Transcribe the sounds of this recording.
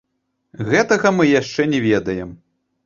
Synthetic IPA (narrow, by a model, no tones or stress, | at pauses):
ɣɛt̪ɐɣɐmɨjaʂt͡ʂɛnʲɛvʲɛd̪ɐjɛm